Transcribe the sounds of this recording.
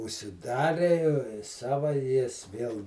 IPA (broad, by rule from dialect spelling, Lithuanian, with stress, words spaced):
ʊʃʲsʲɪˈdɑːrʲeː ˈsɑːʋɐ ˈjɪs ˈʋʲiɛlˠ